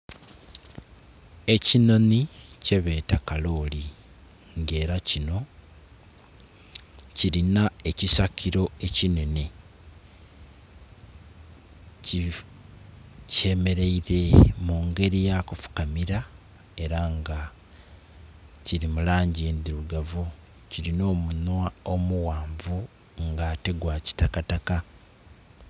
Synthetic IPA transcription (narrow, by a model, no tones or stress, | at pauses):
e̞cino̞nice̞βe̞ːtakalo̞li | ŋɡe̞ːɾacino̞ | ciɾinae̞cisakʰiɾo̞e̞cine̞ne̞ | ce̞me̞ɾe̞iɾe̞muːŋɡe̞ɾijakufu̥kamiɾa | e̞ɾaŋɡa | ciɾimulaːɲɟeːnd̪iɾuɡavu | ciɾino̞ːmunwao̞muwaːɱvu | ŋɡate̞ɡwaːci̥takataka